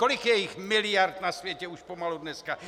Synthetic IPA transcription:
kolikjɛjixmilɪjaɾt̪nasvjɛcɛuʃpomalud̪nɛska

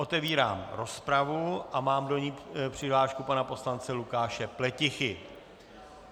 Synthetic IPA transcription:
ʔo̞t̪ɛviːɾaːmɾo̞spɾavuʔamaːmdo̞ɲiːpr̝̥ɪɦlaːʃkupanapo̞slant͡sɛlukaːʃɛplɛcɪxɪ

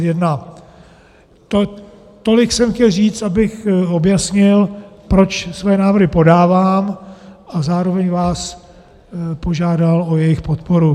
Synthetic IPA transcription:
jɛdna | t̪o | t̪o̞lɪksɛmxcɛlriːt͡st̪abɪxo̞bjasɲɪlpɾo̞t͡ʃsvɛːnaːvr̩ɦɪpo̞daːvaːmʔazaːɾo̞vɛɲvaːs | po̞ʒaːdalo̞jɛjɪxpot̪po̞ɾu

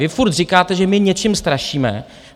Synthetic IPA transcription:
ɪfuɾt̪rɪkaːt̪ɛʒɛmɪɲɛt͡ʃɪmst̪ɾaʃiːmɛ̰

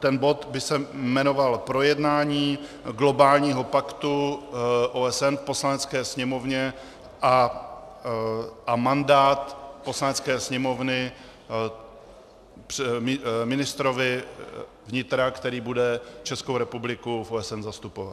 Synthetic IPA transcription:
t̪ɛnbo̞t̪bɪsɛmɛno̞valpɾo̞jɛdnaːɲiː | ɡlo̞baːlɲiːɦo̞pakt̪u | ʔoɛsɛnfpo̞slanɛt͡skɛːsɲɛmo̞vɲɛ | ʔa | ʔamandaːt̪po̞slanɛt͡skɛːsɲɛmo̞vnɪ | mɪnɪst̪ɾo̞vɪ | vɲɪt̪ɾakt̪ɛɾiːbudɛt͡ʃɛskowɾɛpublɪkufoɛsɛnzast̪upova̰t̪

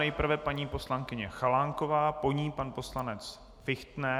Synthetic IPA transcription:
ɛjpr̩vɛpaɲiːpo̞slaŋkɪɲɛxalaŋko̞vaːpo̞ɲiːpanpo̞slanɛt͡s | fɪxt̪nɛ

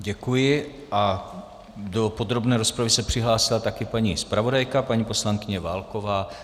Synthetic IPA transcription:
ɟɛkujɪ | ʔa | do̞po̞d̪ɾo̞bnɛːɾo̞spɾavɪsɛpr̝̥ɪɦlaːsɪlat̪akɪpaɲiːspɾavo̞dajkapaɲiːposlaŋkɪɲɛvaːlko̞vaː

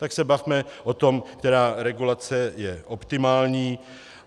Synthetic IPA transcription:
t̪aksɛbavmɛʔot̪o̞mkt̪ɛɾaːɾɛɡulat͡sɛjɛʔo̞pt̪ɪmaːlɲiː

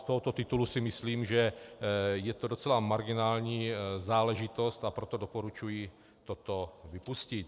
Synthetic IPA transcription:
st̪oɦot̪ot̪ɪt̪ulusɪmɪsliːmʒɛ | jɛt̪odo̞t͡sɛlamaɾɡɪnaːlɲiːzaːlɛʒɪt̪o̞st̪apɾot̪odopoɾut͡ʃuji | t̪ot̪ovɪpuscɪt̪

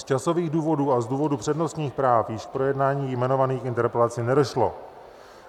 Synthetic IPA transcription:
st͡ʃaso̞viːɣduːvo̞duːazduːvo̞dupr̥ɛdno̞st̪ɲiːxpɾaːfjɪʃfpɾo̞jɛdnaːɲiːjmɛno̞vaniːxɪnt̪ɛɾpɛlat͡sɪnɛdo̞ʃlo̞̰

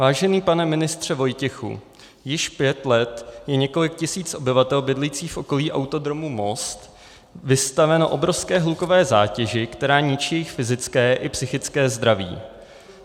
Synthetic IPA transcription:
vaːʒɛniːpanɛmɪnɪst̪r̝̥ɛvo̞jcɛxṵ | jɪʃpjɛt̪lɛt̪jɛɲɛko̞lɪk̚cɪsiːt͡sʔo̞bɪvat̪ɛlbɪdlijt͡siːxfʔo̞ko̞liːʔawt̪o̞d̪ɾo̞mumo̞st̪ | vɪst̪avɛnoʔo̞bɾofskɛːɦluko̞vɛːza̰ːcɛʒɪkt̪ɛɾaːɲɪt͡ʃiːjɛjɪxfɪzɪt͡skɛːʔɪpsɪxɪt͡skɛːzd̪ɾavḭː

